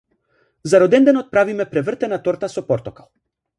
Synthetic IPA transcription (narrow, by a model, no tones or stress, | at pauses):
zaɾɔd̪ɛnd̪ɛnɔt̪̚pɾavimɛpɾɛvr̩t̪ɛnat̪ɔɾt̪asɔpɔɾt̪ɔkalˠ